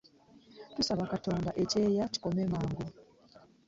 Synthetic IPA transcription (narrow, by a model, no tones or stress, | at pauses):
tusaβakato̞ːndaʔeceːjaci̥ko̞meːmaːŋɡo